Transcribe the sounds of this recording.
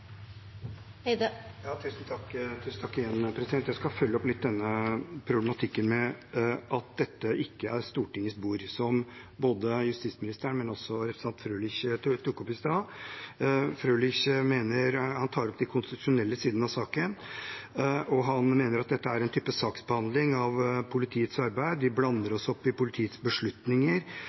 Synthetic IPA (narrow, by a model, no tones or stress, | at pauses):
jɑːt̪ʰʉːsn̩t̪ʰɑkːt̪ʰʉːsn̩t̪ʰɑkːɪjɛnpʰɾɛsd̪ɛnt̪jæɪskɑfœlːəɔplɪt̪̚d̪ɛnːəpʰɾʊblɛmɑt̪ʰɪkːənmɛʔɑt̪̚d̪ɛt̪ːəʔɪkːəæɾst̪uːʈɪŋːəsbuːɾsɔm | boːd̪əjʉst̪ɪsmɪnɪst̪əɾæɳmɛnɔsɔɾɛpɾəsɑnt̪fɾøːlɪçtt̪ʰʊkːɔpɪst̪ɑː | fɾøːlɪçmeːnəɾhɑnt̪ʰɑːɾɔpd̪ɪkʰʊnst̪ɪt̪ʊ̥ʂʊnɛlːəsiːd̪n̩ɑsɑːkən | ʔɔɦɑnmeːnəɾɑt̪̚d̪ɛt̪ːəæɾɛnt̪ʰyːpəsɑːksbəhɑnd̪lɪŋɑʋpʰʊlɪt̪ʰiːət̪sɑɾbæɪd̪ʋɪblɑnːəɾɔsɔpːɪpʊlɪt̪ʰiːət̪sbəʂɭʉt̪nɪŋəɾ